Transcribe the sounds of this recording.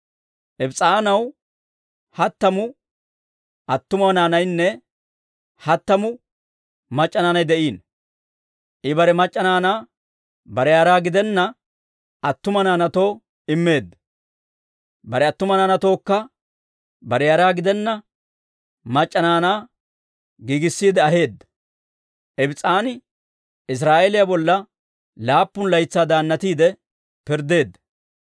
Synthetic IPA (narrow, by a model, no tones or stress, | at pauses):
ʔɛbt͡sʼaːnɐw | hɐt̪ːɐmʊ | ʔɐt̪ːʊmnaːnɐjnːɛ | hɐt̪ːɐmʊ | mɐt͡ʃʼːɐnaːnɐjd̪ɛʔiːn | ʔɪbɐɾɛmɐt͡ʃʼːɐnaːnaː | bɐɾɛjaːɾaːɡɪd̪ɛnːɐ | ɐt̪ːʊmɐnaːnɐt̪o̞ː | ɪmːe̞ːd̪ːɐ | bɐɾɛɐt̪ːʊmɐnaːnɐt̪o̞ːkːɐ | bɐɾɛjaːɾaːɡɪd̪ɛnːɐ | mɐt͡ʃʼːɐnaːnaː | ɡiːɡɪsːiːd̪ɛɐɦe̞ːd̪ːɐ | ʔɛbɪt͡sʼaːnɪ | ɪs̬ɾaːʔelɪjabɔlːɐ | laːpːʊnlɐjt͡sːaːd̪aːnːɐt̪iːd̪ɛ | pɪɾd̪e̞ːd̪ːɐ̥